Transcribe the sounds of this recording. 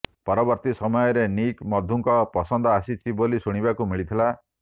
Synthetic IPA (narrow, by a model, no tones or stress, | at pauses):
pɔɾɔbɔɾt̪isɔmɔjɔɾenikmɔd̪ʱuŋkɔpɔsɔnd̪ʱɔasit͡ʃʰibolisuɽ̃ibakumiɭit̪ʰila